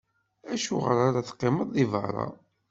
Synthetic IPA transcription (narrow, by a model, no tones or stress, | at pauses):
æʃuʁəɾaɾaθqːɪməðˤːivə̰ɾˤɑ̰